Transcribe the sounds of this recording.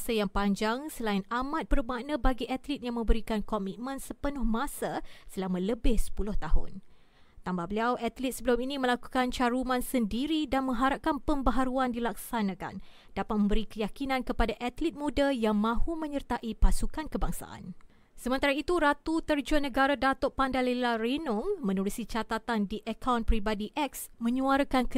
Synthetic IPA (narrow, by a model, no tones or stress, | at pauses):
sajaŋpaɲd͡ʒaŋsəlaɪnamãt̪̚bərmanãbaɡiʔat̪lit̪̚jaŋmə̃mbəɾikankɔmit̪̚mə̃nsəpənʊhmãsasəlamãləbɪhsə̥pulʊht̪aɦʊ̰n | t̪ambahbəliawʔat̪lit̪səbəlʊminĩmə̃laku̥kant͡ʃaɾumãnsəndiɾidanmə̃ŋɦaɾap̚kanpəmbəɦaɾuandilak̚sanãka̰n | d̥apat̪̚mə̃mbəɾikəjakinãnkəpadaʔat̪lit̪̚mũdajaŋmãhumə̃ɲərt̪aʔipasukankəbaŋsa̰ʔa̰n | səmənt̪aɾait̪uɾat̪ut̪ərd͡ʒuanəɡaɾadat̪ɔʔpandalelaɾenʊŋmə̃nuɾusit͡ʃat̪at̪andiʔəkawnpɾibadiʔɛk̚smə̃ɲũaɾəkankə